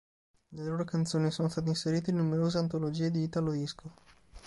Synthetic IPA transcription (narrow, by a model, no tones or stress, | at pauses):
leloːɾokant̪soːnisonost̪at̪einseɾiːt̪einːumeɾoːzeant̪olod͡ʒiːed̪iviːt̪alod̪iskʰo